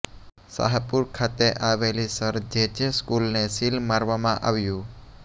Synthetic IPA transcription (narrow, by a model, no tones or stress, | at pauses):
sa̰ɦapuɾkʰat̪eʔaʋelisəɾd͡ʒed͡ʒəskulnesilmaɾʋamãʔaʋjũ